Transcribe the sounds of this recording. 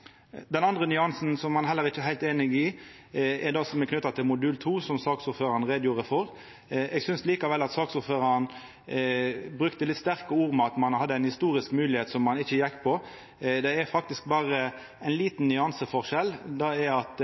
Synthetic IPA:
d̪ɛnɑnd̪ʁənʏɑnsn̩sɔmːɑnɦɛlːəɾʁɪçːəɛɦæɪlt̪eːnɪɡɪ | ɛd̪ɑːsɔmɛkʰnʏt̪ːɑt̪ʰɪlmʊd̪ʉːlt̪ʰuːsɔmsɑːksʊɾføːɾɑɾnʁeːd̪juːʁəfɔʁ | ɛɡsʏnsliːkɑʋɛlːɑt̪sɑːksʊføːɾɑɾn | bɾʉkt̪əlɪt̪st̪æʁkəuːʁmɑt̪mɑnhɑd̪ːəæɪnhɪst̪uːɾɪskmʉːlɪheːt̪sɔmːɑnɪçəjɛkːpʰɔ | d̪ɛɛɾfɑkt̪ɪsk̚bɑːʁə | ɛɪnliːt̪n̩nʏɑnsəfɔʁʃɛld̪ɑɛɑt̪

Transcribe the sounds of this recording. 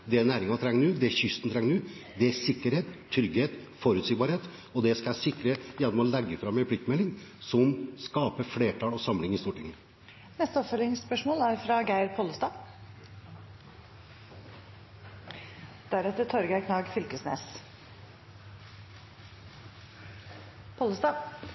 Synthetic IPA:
d̪ɛnæːɾɪŋɑt̪ʰɾɛŋːnʉːd̪ɛçʏst̪ən̩t̪ʰɾɛŋnʉː | d̪ɛæsɪkːəɾheːt̪t̪ʰːɾʏɡheːt̪ | fɔɾʉːt̪sɪɡbɑɾheːt̪ | ɔd̪ɛskɑsɪkːɾəjɛnmɑlɛɡːəfɾɑmːɛpʰlɪk̚t̪mɛlːɪŋsɔmskɑːpəfleːʈʰɑːlɔsɑmlɪŋɪst̪uːʈɪŋːə | nɛst̪əɔpfœlɪŋspœʂmoːlæɾfɾɑɡæɪɾpʰoːləst̪ɑː | d̪̥æɾɛt̪ət̪ʰɔɾɡækʰnɑːɡfʏlkəsnḛːs | pʰoːləst̪ɑː

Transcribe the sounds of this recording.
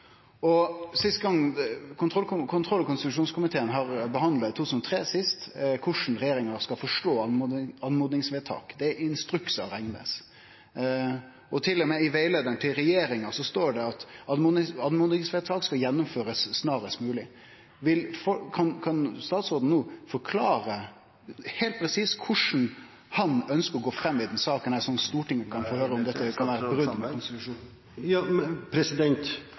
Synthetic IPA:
ɔsɪst̪ɡɑŋːkʰʊnt̪ʰʁɔlkʰʊnt̪ʰʁɔlːkʰʊnsɪt̪ʉʂuːnskʰʊmɪt̪ʰeːənɦɑɾbəɦɑnd̪lɑt̪ʰuːʉsnɔt̪ʰɾeːsɪst̪kʰʊʂn̩ɾɛjeːɾɪŋɑɾskɑfɔʂʈoːɑɑnmuːd̪nɪŋsʋeːt̪ʰɑ̰ːkd̪ɛɪnst̪ɾʉksɑ̰ɾɛŋnə̰s | ʔɔt̪ʰɪlːɔmɛɪʋæɪleːd̪ənt̪ʰɪlɾɛjeːɾɪŋɑsɔst̪oːɖɛɑt̪ɑnmːɪɑd̪mʊnɪsfɛt̪sʰɑlkskɑjɛnːʊmføːɾəsːnɑːɾəst̪mʉːlɪ | ʋɪlfɔkʰɑnkʰɑnst̪ɑːt̪soːd̪n̩nuːfɔɾkʰlɑːɾə | hɛɪlt̪̚pʰɾɛsiːskʰʊʂn̩ | hɑnœnskəɾɔɡoːfɾɛmːɪd̪ɛnsɑːkənæsɔnːst̪uːʈɪŋːəkʰɑnfɔhøːɾəɔmd̪ɛt̪ːəkʰɑnʋæːɾəbɾʉd̪mɛkkʰʊnsɪt̪ʉʂuːn | jɑpʰɾɛsɪd̪ɛnt̪

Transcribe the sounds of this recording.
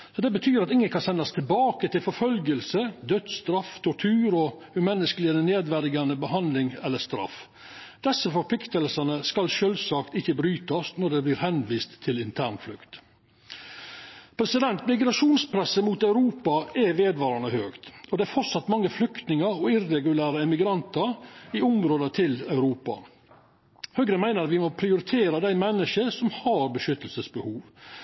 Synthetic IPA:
sɔd̪ɛbət̪ʰyːɾɑt̪ɪŋːənkʰɑnsɛnːɑst̪ʰɪlbɑːkət̪ɪlfɔɾfœlɡəlsəd̪œd̪st̪ɾɑft̪ʰɔʈʰʉːɾɔ | ʉmɛnːəskəlɪəneːd̪ʋæɾɪɡɑnəbəɦɑnd̪lɪŋɛlːəst̪ɾɑ̰f | d̪̥ɛsːəfɔɾpʰlɪkt̪əlsənəskɑlʃøːlsɑːkt̪ɪçːəbɾyːt̪ɔsnɔɖɛbliːɾhɛnʋiːst̪ʰːɪlɪnt̪ʰæːɳflʉ̰kt̪ | pʰɾɛsɪd̪ɛnt̪mɪɡɾɑʂuːnspʰɾɛsəmuːt̪ɑʉɾuːpɑʔɛʋeːd̪ʋɑːɾɑɳəhøːkt̪ɔd̪ɛæɾfɔɾsɑt̪mɑŋːəflʏkt̪nɪŋəɾɔɪrɛɡʉlæːɾəɛmɪɡɾɑnt̪əɾɪʊmɾoːd̪ət̪ʰɪlœʉɾuːpɑ̰ | hœɡɾəmæɪnəɾɑt̪ʋɪmɔpʰɾɪʊɾɪt̪ʰeːɾəd̪æɪmɛnːəʃəsɔmhɑɾbəʃʏt̪ːəlsəsbəhuːʋ

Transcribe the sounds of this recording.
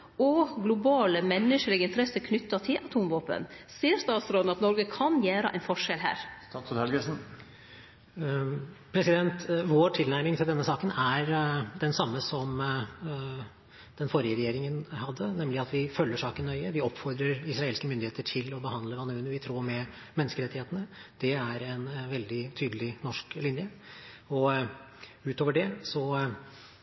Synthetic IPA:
ɔɡlʊbɑːləmɛnːəʂəlɪɡəɪnt̪ʰɾɛsəɾkʰnʏt̪ːɑt̪ʰɪlʔɑt̪ʰuːmʋoːpə̰nseːəɾst̪ɑːt̪sɾoːd̪nɑt̪nɔɾɡəkʰɑnjæːɾəʔæ̰ɪnfɔʂɛlɦæ̰ːɾ | t̪ʰnhɛlɡəsn̩ | pʰɾɛsɪd̪ɛnt̪ʋoːʈʰɪlnæɾmɪŋt̪ʰɪld̪ɛnːəsɑːkənæɾd̪ɛnsɑmːəsɔm | d̪̥ɛnfoːɾɪəɾɛjeːɾɪŋənhɑd̪ːənɛmlɪɑt̪ʋɪfœlːəʂɑːkənːœʏəʋɪɔpfɔɾd̪ɾəɾɪsɾɑeːlskəmʏnd̪ɪheːt̪əʈʰɪlɔbəhɑnd̪ləʋɑnʉːnʉʋɪt̪ʰɾuːmɛ | mɛnːəskəɾɛt̪ːɪheːt̪ənəd̪̥ɛæɾɛnʋɛld̪ɪt̪ʰyːd̪əlɪnɔʂklɪnjə | ɔ | ʉːt̪oːʋəɖɛsɔ

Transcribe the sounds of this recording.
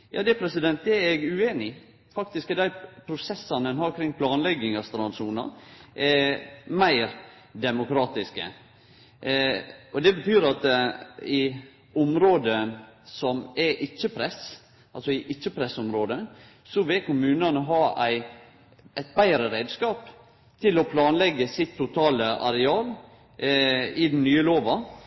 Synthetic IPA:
jɑ̰ːd̪ɛpʰɾɛsɪd̪ɛnt̪̚d̪ɛɾɛɡʉeːnɪ | fɑk̚t̪ɪskəd̪æɪpʰɾʊsɛsːɑnɛnhɑːɾkʰɾɪŋːpʰlɑːnlɛɡːɪŋɑst̪ɾɑnʂuːnɑ̰ʔɛmæɪɾ | d̪ɛmʊkʰɾɑːt̪ɪskə̰ | ɔd̪ɛbət̪ʰyːɾɑt̪ɪ | ʊmɾoːd̪ənsɔmɛʔɪt͡ʃːəpʰɾɛs | ʔɑlsɔɪʔɪt͡ʃːəpʰɾɛsɔmɾoːd̪ə | sɔʋɪlkʊmʉːnɑnəɦɑːæɪ | ʔæɪt̪̚bæɪɾəɾeːd̪skɑːp | t̪ʰɪlɔpʰlɑːnlɛɡːəsɪt̪ʰːʊt̪ʰɑːləʔɑɾɛɑːl | ɪd̪n̩nyːəloːʋɑ

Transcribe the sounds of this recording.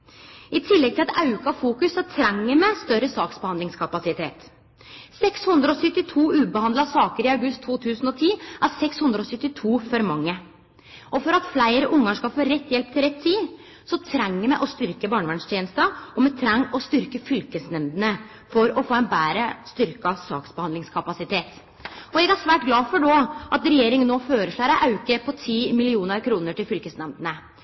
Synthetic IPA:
ɪt̪ʰɪlːɛɡ̚t̪ɪlɑt̪ɑʉkɑfuːkʉsːɔt̪ʰɾæŋːəɾmɛst̪œɾəsɑːksbəhɑnd̪ɪŋskʰɑpɑsɪt̪ʰeːt̪ | sɛkshʉnd̪ɾəɔsʏt̪ːɪt̪ʰuːʉːbəhɑnd̪lɑsɑːkəɾɪɑʉɡʉst̪ʰːuːt̪ʰʉːsn̩ɔt̪ʰiːʔæɾsɛkshʉnd̪ɾəɔsʏt̪ːɪt̪ʰuːfɔɾmɑŋːə | ʔɔfɔɾɑt̪flæɪɾəʔʊŋːɑŋʂkɑlfoːɾɛt̪ːjɛlp̚t̪ʰɪlɾɛt̪ʰːiː | sɔt̪ʰɾæŋːəmɛʔɔst̪ʏɾkəbɑːɳəʋæɳst̪jeːnəst̪əɔmɛt̪ʰɾɛŋːɔst̪ʏɾkəfʏlkəsnɛmd̪ənə | fɔɾɔfoːɛnbæːɾəst̪ʏɾkɑsɑ̰ːksbəhɑnd̪ɪŋskʰɑpɑsɪt̪ʰeːt̪ | ɔɛɡæʂʋæːʈɡlɑːfɔɖɔʔɑt̪ɾɛjeːɾɪŋənːoːføːɾəʂɭæɪɾæʔɑʉkəpʰɔt̪ʰiːmɪlɪuːnəɾkʰɾuːnəʈɪlfʏlkəsnɛmd̪ənə

